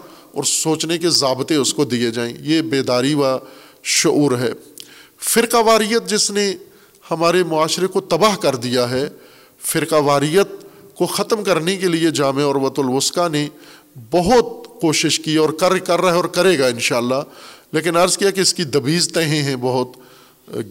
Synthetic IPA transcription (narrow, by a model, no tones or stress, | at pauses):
ɔ̰ːɾsoːt͡ʃnekezaːbt̪ẽʊskod̪ied͡ʒaːḛ̃jebeːd̪aːɾiʋaʃʊuːɾɦɛ̰ː | fɪɾqaːʋaːɾijət̪̚d͡ʒɪsne | hɐmaːɾemʊaːʃɾekot̪ɐbaːɦkɐɾd̪ijaɦɛ | fɪɾqaʋaːɾijət̪̚koxɐt̪mkɐɾnekelied͡ʒaːmeɔːɾʋɐt̪ʊlʋʊskane | bɐɦʊt̪koːʃɪʃkiɔːɾkɐɾkɐɾːɐɦɛɔːɾkɐɾeːɡaɪnʃaːlːaːleːk̬ɪnɐɾzkijakeɪskid̪ɐbiːzt̪ɐɦẽɦɛ̃bɐɦʊt̪